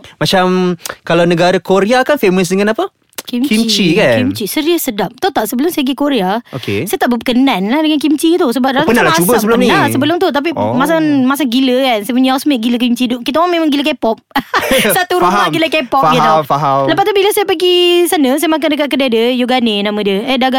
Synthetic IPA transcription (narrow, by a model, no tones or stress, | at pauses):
mat͡ʃamkalawnəɡaɾakoɾiakanfeməs̬dəŋanapə | kimimt͡ʃikaknimt͡ʃisəɾiəsədap̚t̪ot̪aʔsəbəlʊmsajaɡikoɾeaokḛsajat̪aʔbəəkənanladəŋankimt͡ʃit̪usəbap̚ɾaapənalubəsəbəlasəbəlʊmt̪ut̪ap̬imas̬aŋmas̬aŋɡiləkansajp̬əɲaasmeʔ̚ɡilək̬imt͡ʃidʊkit̪aaŋmẽmaŋɡilək̬epɔp̚sat̪uɾumaɡiləkepɔɡiafaɦaləpat̪ubilasajapəɡisanəsajamak̬andəkat̪̚kədadjəjuɡanenãmə̃diəədaɡa